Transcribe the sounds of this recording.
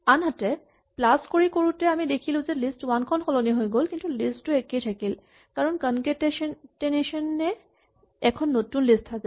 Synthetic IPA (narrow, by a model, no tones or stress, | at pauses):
anɦatɛ | plaskoɹikoɹutɛamidekʰilʊ̃zɛlistwankʰɔnxɔlɔniɦojɡolkintulisttːuɛkejtʰakil | kaɹɔnkɔnketeʃnteneʃɔnːɛ | ɛkʰɔnːotunlistʰːazɛ